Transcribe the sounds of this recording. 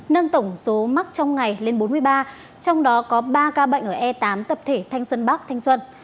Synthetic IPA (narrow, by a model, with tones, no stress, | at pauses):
nə˧ŋt̪ə˧˩wŋ͡mso˨˦ma˦˥k̚t͡ɕɔ˧wŋ͡mŋa˨˩jle˧nɓo˨˦nmɨ˧əjɓaː˧ | t͡ɕɔ˧wŋ͡mɗɔ˨˦kɔ˨˦ɓaː˧kaː˧ɓə̰˧˨ŋ̟ʔəː˧˩ʔɛ˧t̪aː˨˦mt̪ə˨˩p̚t̪ʰe˧˩t̪ʰa˧jŋ̟swə˧nɓa˦˥k̚t̪ʰa˧jŋ̟swə˧n